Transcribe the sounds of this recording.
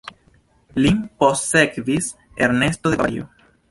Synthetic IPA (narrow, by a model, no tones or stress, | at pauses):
limposekβis | ḛɾnest̪oðea̰jo̰